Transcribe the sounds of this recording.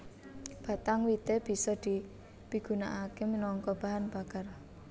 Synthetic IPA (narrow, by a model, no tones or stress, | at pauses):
b̥a̤t̪aŋwit̪eb̥i̤sɔd̪̥i̤ | piɡ̥ṳnaʔakemənɔŋkɔb̥a̤ɦanb̥a̤kar